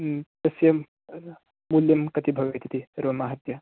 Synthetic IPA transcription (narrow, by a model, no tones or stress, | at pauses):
t̪ɐsjɐ | muljɐmkɐt̪ibʱɐʋɐjt̪ʰit̪iɐɾʋɐmaːɦɐt̪jɐ